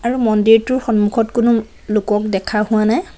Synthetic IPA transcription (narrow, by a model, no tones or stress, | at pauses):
aɹumɔndiɹtʊɹxɔnmukʰɔtkʊnʊ | lʊkɔk̚dɛkʰahʊwanaj